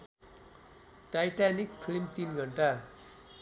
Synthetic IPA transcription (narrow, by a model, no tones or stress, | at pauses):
ʈajʈanikpʰilmt̪inɡʱʌɳʈa